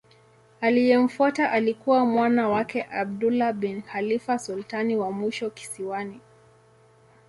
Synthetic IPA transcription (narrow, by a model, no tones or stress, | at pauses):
alijɛm̩fuataʔalikuwamwanawakɛʔab̚dulabɛnxalifasultaniwamiʃɔki̥siwani